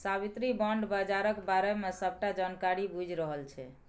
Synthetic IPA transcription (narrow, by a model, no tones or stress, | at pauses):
sabit̪ɾibəɳɖbəd͡ʒaɾəkbaɾemesəb̚ʈad͡ʒankaɾibud͡ʒʱɾəɦəlt͡ʃʰɛ̰